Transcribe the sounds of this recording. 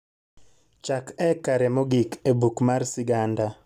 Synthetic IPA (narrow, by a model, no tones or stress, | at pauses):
t͡ʃakɛkaɾɛmoɡikebukmarsɪɡanda